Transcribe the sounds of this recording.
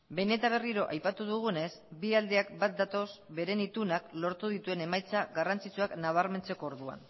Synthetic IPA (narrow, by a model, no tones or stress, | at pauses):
be̞ne̞t̪aβ̞e̞riɾo̞ʔajpat̪uðuɣ̞une̞sbiald̪e̞akbat̪̚d̪at̪o̞sbe̞ɾe̞nit̪unaklo̞ɾt̪uðit̪ue̞ne̞majt͡saɡarant͡sit͡suaknaβ̞aɾme̞nt͡se̞ko̞ːɾðua̰n